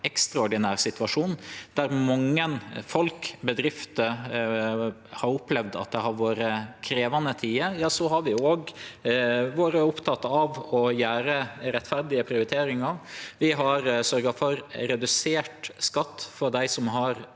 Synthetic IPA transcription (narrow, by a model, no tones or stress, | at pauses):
ɛkst̪ɾɑɔɾɖɪnæːɾsɪt̪ʉʋɑʂuːnd̪̥æɾmɑŋːənfɔlkbəd̪ɾɪft̪ə | hɑɾʊpːlɛʋd̪ɑ̰t̪̚d̪ɛhɑɾʋoːɾəkʰɾeːʋɑnət̪ʰiːəjɑːsɔɦɑɾʋɪoːɡ | ʋoːɾəʊpt̪ʰɑt̪ɑʋɔjæːɾəɾɛt̪ːfæɾd̪ɪəpʰɾɪʊɾɪt̪ʰeːɾɪŋɑʋʋɪɦɑɾsœɾɡɑfɔɾɾɛd̪ʉseːʈskɑt̪ːfɔɾd̪æɪsɔmɦɑɾ